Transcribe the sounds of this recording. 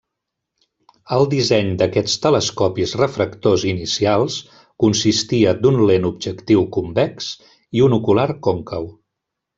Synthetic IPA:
əlˠd̪izɛɲd̪əkɛst̪ələskɔpizrəfɾəkt̪ozinisialˠs | kunsist̪iəd̪unlenub̚ʒəkt̪iwkumbɛks | iunukulaɾkoŋkəw

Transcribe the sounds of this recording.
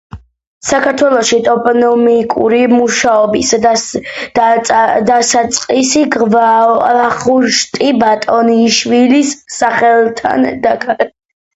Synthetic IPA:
sakʰaɾt̪ʰwɛlˠɔʃit̪ʼɔpʼɔnɔmikʼṵɾimuʃaɔbis | d̪asat̪sʼqʼisiɡvlaχuɾʃt̪ʼibat̪ʼɔniʃwilisːaχɛlˠt̪ʰa̰nd̪akʼɾɛ

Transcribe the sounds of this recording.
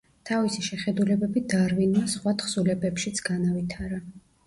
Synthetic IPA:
t̪ʰavisiʃɛχɛd̪ulɛbɛbid̪aɾvinwasχwat̪χsulɛbɛpʃit̪sʰɡ̥anavit̪ʰaɾa

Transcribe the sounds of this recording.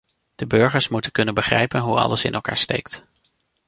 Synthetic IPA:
d̥əbɵɹχəɹsmutənkɵnənbəχrɛjpənɦuɑ̰ləsɪ̰nʔɛlˠka̰ːɹstḛjk̚t

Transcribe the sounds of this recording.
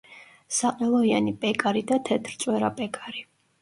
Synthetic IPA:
saqʼɛlˠɔianipʼɛkʼaɾid̪at̪ʰɛt̪ʰɾt̪sʼwɛɾapʼɛkʼaɾi

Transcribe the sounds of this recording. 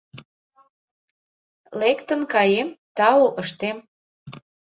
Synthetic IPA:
lekt̪ə̆nkɑjemt̪ɑoʔəʃt̪em

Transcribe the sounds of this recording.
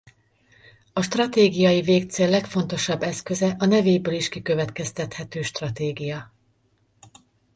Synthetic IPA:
ɒʃt̪rɒt̪eːɡijɒjiveːk̚t̪seːlːɛkfo̞nt̪o̞ʃɒbːɛskø̞zɛʔɒnɛveːjbøːliʃkikø̞vɛt̪kɛst̪ɛt̪hɛt̪øːʃt̪rɒt̪eːɡijɒ

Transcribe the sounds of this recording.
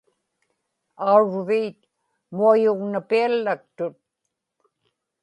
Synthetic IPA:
auɻviːt̪ | muajʊʁnapialːak̚t̪ʊt̪̚

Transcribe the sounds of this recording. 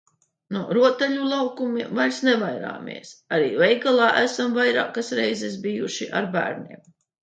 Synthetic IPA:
nuɾuɔt̪ɛʎʲulˠawkumivajɾsnɛvajɾa̰ːmḭɛsaɾiːvɛjɡalˠɑːʔæsamvajɾa̰ːkasɾɛjzɛsbijuʃiʔa̰ɾbæ̰ːɾniɛm

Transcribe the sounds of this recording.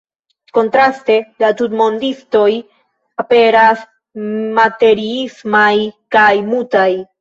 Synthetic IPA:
ko̞ntɾaste̞latutmo̞ndisto̞j | ape̞ɾas | mate̞ɾiismajkajmutaj

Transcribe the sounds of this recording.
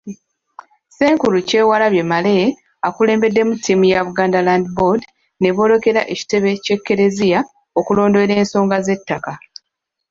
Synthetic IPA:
se̞ːŋkuluce̞ːwalaβje̞male̞ | akule̞ːmbe̞dːe̞mutʰːimujaβuɡaːndalaːndibo̞d | ne̞βo̞lo̞ke̞ɾa̰ʔe̞ci̥te̞βe̞ce̞kːe̞ɾe̞zija | okulo̞ːndo̞eɾe̞ːnso̞ːŋɡaze̞tːaka

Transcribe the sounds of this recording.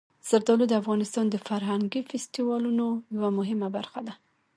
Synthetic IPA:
z̥aɾd̪ɑlod̪əafɣɑnɪst̪ɑnd̪əfaɾɦaŋɡifɪst̪iwɑlunojawamʊɦɪmabaɾxad̪a

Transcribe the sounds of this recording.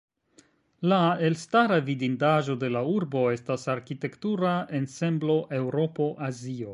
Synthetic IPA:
laelstaɾavidindaʒo̞de̞lauɾbo̞e̞stasaɾkite̞ktuɾae̞nse̞mblo̞ʔe̞wɾo̞po̞ʔazio̞

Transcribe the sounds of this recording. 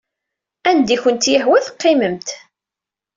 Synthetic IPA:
ænd̪içənt̪jəħwæθəqːɪməmt̪

